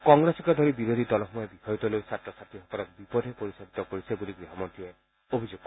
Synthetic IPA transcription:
kɔŋɡɾesɔŋkɔd̪ʱɔɾibiɾod̪ʱid̪ɔlɔxɔmɔjɔbixɔjɔt̪ɔlojsat̪ɾɔsaʈ̪iɦɔkɔlɔk̚bipɔd̪ʱepoɾisabit̪ɔkoɾisebuliɡɾiɦɔmɔnt̪ie | obʱid͡ʒuɡ̚k

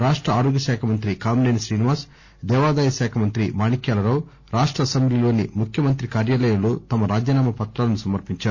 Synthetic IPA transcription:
ɾaːʂʈɾɐaːɾoːɡjɐʃɛːkʰɐmɐnt̪ɾikaːmnenʃɾiːniʋaːs | d̪ɛːʋaːd̪aːjɐʃɛːkʰɐmɐnt̪ɾimaːnikjaːlɐɾaːw | ɾaːʂʈɾɐːsɐmblilo̞ːnimukʰjɐmɐnt̪ɾikaːɾjaːlɐjɐmlo̞ːt̪ɐmɐɾaːd͡ʒjɐnaːmɐpɐt̪ɾaːlɐnusɐmɐɾpiɲt͡ʃaːu

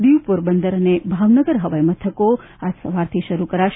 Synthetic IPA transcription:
d̪iʋpuɾbənd̪əɾənebʱaʋnəɡəɾɦəʋəjmət̪ʰəko | ad͡ʒsə̰ʋaɾt̪ʰiʃəɾukəɾaʃ

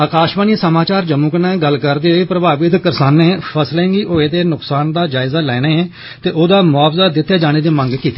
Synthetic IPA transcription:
aːkaːʃmaːniːsəmaːt͡ʃaːɾd͡ʒəmũːknɛːɡəlkəɾd̪eːɦoːeːpɾəbaːʋɪt̪kəɾsaːnːeːpʰəslɛ̃ːŋɡiːʔoːeːd̪eːnʊksaːnd̪aːd͡ʒaːɪzaːlɛːɽeːɛː | t̪eːʔoːd̪aːmʊaːfzaːd̪ɪt̪ʰːjaːd͡ʒaːñeːd̪eːməŋɡkiːt̪ːeː

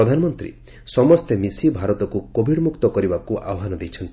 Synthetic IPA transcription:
ɔd̪ʱanɔmɔnt̪ɾḭ | sɔmɔst̪emisibʱaɾɔt̪ɔkukobʱiɽmukt̪ɔkɔɾibakuʔa̰ɔɦanɔd̪ejt͡ʃʰɔnt̪i

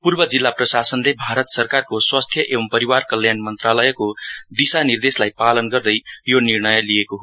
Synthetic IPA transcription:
purbʌd͡zilːaprʌsasʌnlebʱaɾʌt̪sʌrkarkoswast̪ʰjʌʔebʌmpʌɾiwarkʌljanmʌnt̪ralʌjʌkod̪isanird̪eslajpalʌnɡʌrd̪ʌjjonirnʌjʌlijekoɦo

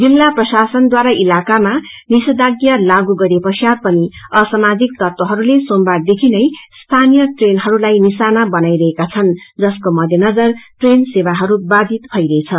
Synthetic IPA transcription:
d͡zilːaprʌsasʌnd̪waɾaʔilakama | nisʌd̪aɡjʌlaɡuɡʌɾepʌsjad̪pʌniʌsʌmad͡zik̚t̪ʌrt̪wʌɦʌɾulesombad̪ekʰinʌjst̪ʰanijʌʈrenɦʌɾulajnisanabʌnajɾʌɦekat͡sʰʌnd͡zʌskomʌd̪ʱjʌnʌd͡zʌrʈrensebaɦʌɾubad̪ʱit̪bʱʌjɾʌt͡sʰʌ

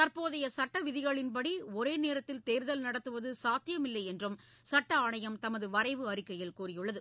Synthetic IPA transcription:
t̪ɐrpoːðɐjɐsɐʈːɐʋɪðɪɣɐɭɪnpɐɽiɔɾeːneːɾɐt̪ːɪlt̪eːɾðɐlnɐɽɐt̪ːɯʋɐðɯsaːt̪ːɪjɐmɪlːɐɪɛndrɯm | sɐʈːɐaːɳɐjɐmt̪ɐmɐðɯʋɐɾɐɪʋɯɐɾɪkːɐjɪlkuːrɪjɯɭːɐðɯ

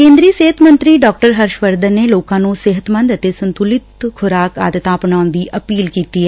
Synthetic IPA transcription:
kẽːnd̪ɾiəseɦət̪mənt̪ɾiːɖɔːk̚ʈəɾɦəɾʃʋəɾd̪əneːloːkãːnũːsɪɦət̪mə̃nd̪ət̪eːsənt̪ulɪt̪kʰʊɾaːka̰ːd̪ət̪ãːpɳaːʊnd̪iːʔəpiːlkiːt̪iːɛ

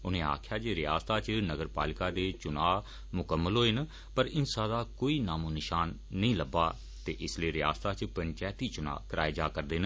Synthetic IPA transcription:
ʊnẽːa̰ːkʰjaːd͡ʒeːɾɪja̰ːst̪aːt͡ʃnəɡəɾpa̰ːlɪkaːd̪eːt͡ʃʊnaː | mʊkəmːəlɦoːen | pəɾɪnsaːd̪aːkoːiːnaːmũːnɪʃaːnː | əĩːləbaː | t̪eːʔɪsleːɾɪja̰ːst̪aːt͡ʃpəɲt͡ʃaːt̪iːt͡ʃʊna̰ːkɾaːed͡ʒaːkəɾd̪eːn

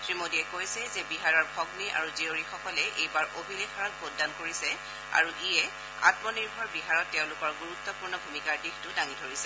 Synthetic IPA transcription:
tɹimodiɛkojsɛzɛbiɦaɹɔɹbʱɔɡniʔa̰ɹuzioɹixɔkɔlɛʔejbaɹʔobʱilexaɹɔt̚bʰodːankoɹisɛ | a̰ɹuʔijɛ | a̰tmɔniɹbʱɔɹbiɦaɹɔtːɛʊ̃lʊkɔɹɡuɹut̪ːɔpuɹnɔbʱumikaɹdixtʊdaŋidʱoɹisɛ

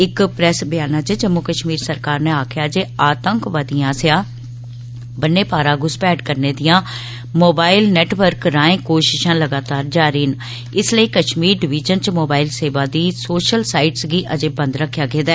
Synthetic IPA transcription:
ɪkpɾɛːsbɪjaːnãːt͡ʃəd͡ʒəmːʊkəʃmiːɾsəɾkaːɾneːaːkʰɪjaːd͡ʒeːaːt̪əŋkʋad̪ijãːsjãː | bənːeːpaːɾãːɡʊspɛːɖkəɾneːd̪ɪjãː | moːbaːɪlnɛːʈʋəɾkɾaːẽːkoːʃɪʃãːləɡaːt̪aːɾd͡ʒaːɾiːn | ɪsləiːkəʃmiːɾɖɪʋiːd͡ʒənt͡ʃmoːbaːɪlseːʋaːd̪iːsoːʃəlsaːɪʈsɡiːʔəd͡ʒeːbə̃nd̪ɾəkʰːjaːɡeːd̪aː

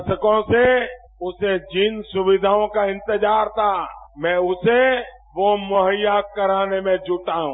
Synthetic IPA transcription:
səkõse | ʊsed͡ʒɪnsʊʋɪd̪ʱaːõkaɪ̃nt̪ɪd͡ʒaːɾt̪ʰamɛ̃ːʊse | ʋomoɦəjːakəɾaːnemẽd͡ʒʱʊʈaɦũː

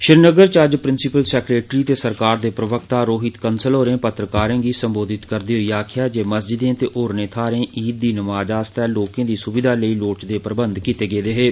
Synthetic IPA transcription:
ʃɪɾnəɡəɾt͡ʃəd͡ʒpɾɪnsɪpəlsɛːkɾeːʈɾiːt̪eːsəɾkaːɾd̪eːpɾəʋək̚t̪aːɾoːɦɪt̪kənsəlɦoːɾẽːpət̪ɾəkaːɾẽːɡiːsəmboːd̪ɪt̪kəɾd̪iːɦoiːaːkʰɪjaːd͡ʒeːməsd͡ʒɪd̪ẽːt̪eːʔoːɾnẽːt̪ʰaːɾẽːʔiːt̪̚d̪iːnəmaːd͡ʒaːst̪ɛːloːkẽːd̪iːsʊbɪd̪ʱaːləiːloːt͡ʃd̪eːpɾəbənd̪kiːt̪eːɡeːd̪eːɦeː

